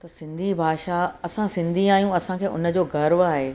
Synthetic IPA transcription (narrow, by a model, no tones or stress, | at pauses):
t̪ɐsɪ̃nd̪ʱibʱaːʃaɐsãsɪ̃nd̪ʱĩaːjũɐsãkʰeːʔʊ̰nə̆d͡ʑoːɡɐɾʋaːɦeː